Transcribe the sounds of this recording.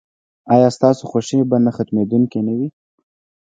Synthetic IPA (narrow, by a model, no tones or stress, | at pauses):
ɑjɑst̪ɑsoxoʃebanaxat̪med̪uŋkenawi